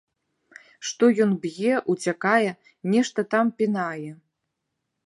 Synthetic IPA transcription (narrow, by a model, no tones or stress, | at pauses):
ʂt̪ɔjɔnbjɛʔut͡sʲakajɛ | nʲɛʂt̪ɐt̪ampʲinajɛ